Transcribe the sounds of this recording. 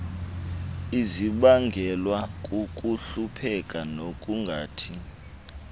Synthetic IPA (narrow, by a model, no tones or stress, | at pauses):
iziɓaŋɡʱɛlwakʼukʼuɬupʰɛkʼanokʼuŋɡʱaːtʰi